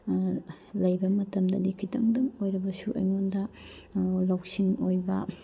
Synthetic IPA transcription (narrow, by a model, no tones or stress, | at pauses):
lɐjbɐmɐtɐmdɐdikʰitɐ̰ŋdɐŋojɾɐbɐsuʔɐ̰jŋondɐ | lawk̚siŋojbɐ̰